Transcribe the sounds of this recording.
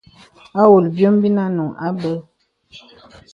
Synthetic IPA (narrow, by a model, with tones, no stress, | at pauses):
a˦wo˨lbjo˦m˦bi˦na˦nu˨ʔa˦bə˦